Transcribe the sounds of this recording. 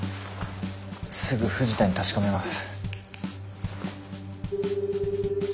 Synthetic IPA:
sɨɡɯ̟ɸɯ̟ʑit̪ãɲ̟it̪aɕi̥ko̞me̞masɨ̥

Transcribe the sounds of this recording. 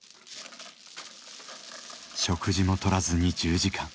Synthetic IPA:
ɕo̞kɯ̟ʑimo̞t̪o̞ɾazɨɲ̟id͡ʑɨːʑikʰãŋ

